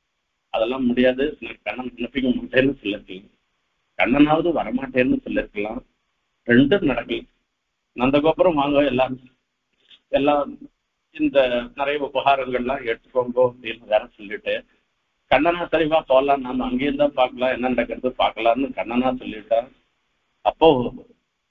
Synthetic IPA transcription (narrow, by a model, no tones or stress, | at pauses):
ɐðɛlːãːmʊɽɪjaːðɯnaɐkɐɳːɐnɐɐnɐfɪkʲːɐmaːʈːeːɾnd̪ɯsɔlːɪɾɯkːɐ̃ŋɡ | kɐɳːɐnaːʋɐðɯʋɐɾɐmaːʈːeːɾɯnd̪ɯsɔlːɪɾɯkːɐlãː | ɾɛɳɖɯnɐɽɐkːɐlɛ̃ | nɐnd̪ɐk̬oːpːɐɾɐ̃ʋaːŋɡõːɛlːaː | ɛlːãː | ɪnd̪ɐnɪɾɐjɐʊpɐɦaːɾɐŋɡɐɭlãːɛɽɯt̪ːɯ̥kːoːŋɡõːt̪iːlɐʋeːɾɐ̃sɔlːɪʈːɯ | kɐɳːɐnaːsɐɾɪʋaːpoːlãːnaːmɐɐŋɡeːɾɯnd̪aːpaːɾkɐlãːɛnːɐnɐɽɐkːɪɾɐðɯpa̰ːɾkɐlãːnɯkɐɳːɐnaːsɔlːɪʈːãː | ɐpːoː